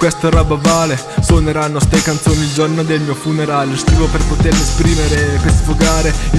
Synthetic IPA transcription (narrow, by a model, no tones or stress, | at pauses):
kwest̪oɾabavaːle | soneɾanːost̪ejkant̪soːnild͡ʒornod̪elmiːofuneɾaːljost̪ɾiːvoperpot̪erlespɾiːmeɾepersfoɡaːɾe